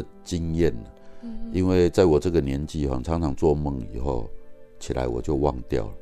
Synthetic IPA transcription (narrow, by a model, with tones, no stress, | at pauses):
t͡ɕi˦ŋjɛ˥˨n˨˩i˦nwe˥˧ɪt͡sa˥˩ɪwɔ˨˩ʈ͡ʂɤ˥˩ɡə˨njɛ˧˦nt͡ɕi˥˨hwa̰˨˦ŋt͡sʰɑ˧˦ŋt͡sʰɑ˧˦ŋt͡swɔ˥˧mə˥˩ŋḭ˨˩xo˥˨ʊt͡ɕʰi˨˩la̰˧˦ɪwɔ̰˨˩t͡ɕjo˥˧ʊwɑ˥˨˧ŋt̪jɑ̰˥˩ʊ